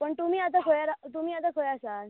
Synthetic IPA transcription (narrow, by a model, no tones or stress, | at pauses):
pəɳt̪umiːat̪̬akʰojaɾat̪umiːat̪̬akʰəjasa